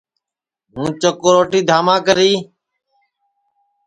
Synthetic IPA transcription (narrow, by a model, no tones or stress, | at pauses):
ɦũːt͡ʃəkoːɾoːʈiːd̪ʱaːmãːkəɾiː